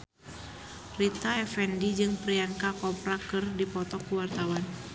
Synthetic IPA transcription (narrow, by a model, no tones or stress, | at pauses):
rit̪aɛfɛndid͡ʒɨŋpɾiaŋkakɔpɾakɨrdipɔt̪ɔkuwart̪awan